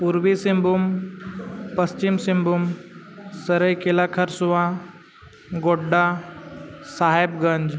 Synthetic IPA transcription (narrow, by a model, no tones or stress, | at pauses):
puɾʋisimbum | pəst͡ɕimsimbum | səɾəjkelakʰəɾsuʋa | ɡoɖːa | saɦebɡəɲd͡ʑ